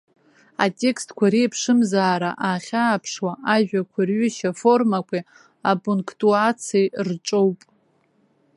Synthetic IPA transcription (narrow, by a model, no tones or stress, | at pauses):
a̰tʼe̞kstʰkʷʰaɾejpʰʂɨmzaːɾa̰ʔaːχʲaːpʰʂwaʔaʒᶣakʷʰarɥʏʃafo̞rmakʷʰi | apʼuŋkʰtʼuat͡sʰijrʈ͡ʂʼo̞wpʼ